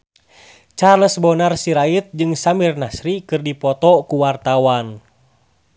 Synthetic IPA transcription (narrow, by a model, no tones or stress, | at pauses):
t͡ʃarləsbɔnarsiɾait̪̚d͡ʒɨŋsamirnasɾikɨrdipɔt̪ɔkuwart̪awan